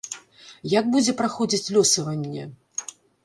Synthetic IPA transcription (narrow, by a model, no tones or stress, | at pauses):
jaɡ̚bud͡zʲɛpɾaxɔd͡zʲit͡sʲlʲɔsɐvɐnʲːɛ